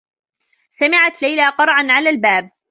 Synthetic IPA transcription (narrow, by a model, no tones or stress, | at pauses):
samɪʕat̪lajlaːqɑɾˤʕanʕalaːlbaːb̚